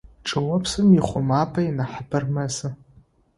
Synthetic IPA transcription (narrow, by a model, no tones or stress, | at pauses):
ʈ͡ʂʼɨwɐpʰsɨmiχʷʊmaːpʰʼainaħabɨrmɐzɨ